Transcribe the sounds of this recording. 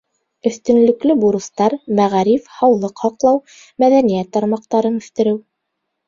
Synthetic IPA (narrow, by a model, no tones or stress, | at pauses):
ɵ̆θt̪ɵ̆nlɵ̆klɵbuɾɤ̆st̪ɑɾmæʁæɾifhɑwlˠɤqhɑqlˠɑw | mæðænijæt̪ːɑɾmɑqt̪ɑɾɤnɵ̆ʃt̪ɘ̆ɾɘw